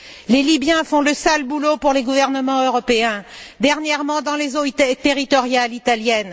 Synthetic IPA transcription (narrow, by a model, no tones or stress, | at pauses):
lelibjɛ̃fɔ̃ləsalbulopuʁleɡuvɛʁnəmɑ̃øʁɔpeɛ̃d̪ɛʁnjɛʁmɑ̃d̪ɑ̃lezot̪eʁit̪ɔʁjalit̪aljɛn